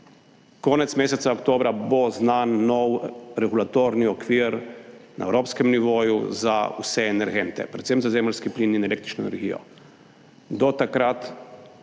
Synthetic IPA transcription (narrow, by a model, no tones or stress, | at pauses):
kɔːnɛt̪smeːsɛt̪aɔkt̪oːbɾabɔznanːɔwɾɛɡulat̪oːɾniɔkʋiːɾna̰ɛ̰wɾoːpskɛmniʋoːjṵzaṵsɛɛnɛɾɡeːnt̪ɛ̰pɾɛt̪semzazeːmlskiplininɛleːkt̪ɾit͡ʃnɔɛ̰nɛ̰ɾɡḭjɔ̰ | d̪ɔt̪akɾat̪